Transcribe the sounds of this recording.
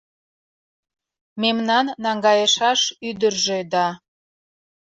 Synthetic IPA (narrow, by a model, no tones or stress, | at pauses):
memnɑnːɑŋɡɑjəʃɑʃyd̪ərʒed̪ɑ